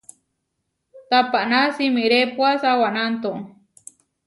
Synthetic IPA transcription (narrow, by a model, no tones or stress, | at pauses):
t̪apaʔnasimiɾepwasawanant̪o